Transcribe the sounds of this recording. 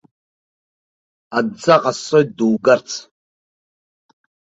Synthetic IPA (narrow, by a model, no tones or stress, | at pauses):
ad͡zaqʼasojduwɡart͡sʰ